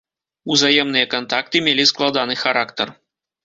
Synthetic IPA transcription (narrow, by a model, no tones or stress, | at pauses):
uzajemnɨjɐkant̪akt̪ɨmʲelʲisklˠad̪anɨxaɾakt̪ər